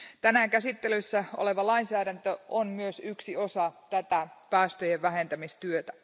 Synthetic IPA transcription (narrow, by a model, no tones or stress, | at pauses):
t̪ænækæsit̪ːelysːæoleʋɑlɑinsæːɾænt̪øonmyøsyksio̞sɑt̪æt̪æpæːst̪øjeʋʋæɦe̞nt̪æmist̪yøt̪æ̥